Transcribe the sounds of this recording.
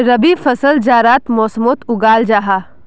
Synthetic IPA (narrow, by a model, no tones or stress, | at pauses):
ɾɐbifɐsəld͡ʒaːɾaːt̪mɔːsmoːt̪ʊɡaːld͡ʒaːɦaː